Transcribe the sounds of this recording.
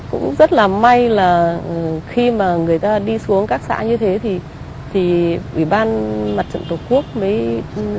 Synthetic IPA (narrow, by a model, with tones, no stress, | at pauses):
kʊ̰˧˥ŋ͡mzə˦˥t̚laː˨˩ma˧jlaː˨˩ʔxi˧maː˨˩ŋɨ˨˩əjt̪aː˧ɗi˧su˨˦əŋkaː˦˥k̚sa̰ː˧˥ɲɨ˧t̪ʰe˨˦t̪ʰi˨˩ | t̪ʰi˨˩ʔwi˧˩ɓaː˧nma˨˩t̚t͡ɕə̰˧˨nt̪o˨˩ku˦˥ək̚mə˨˦j